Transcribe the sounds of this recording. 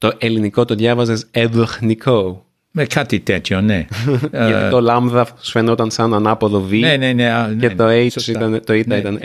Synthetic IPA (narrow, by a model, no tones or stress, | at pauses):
t̪oʔeliniko̞t̪oðʝɐvɐze̞seðoxnikʰo | mekɐt̪it̪et̪çoneʝɐt̪it̪o̞lɐmðɐsfe̞not̪ɐnsɐnɐnɐpoðo̞vieneneet̪o̞ejosit̪ɐnt̪oit̪ɐit̪ɐn